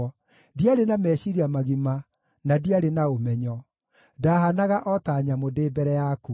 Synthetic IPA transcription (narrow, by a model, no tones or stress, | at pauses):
diaɾenamɛɕiɾiamaɣima | nadiaɾenaomɛɲɔ | daɦanaɣaʔɔtaɲamodeːbɛɾɛjaku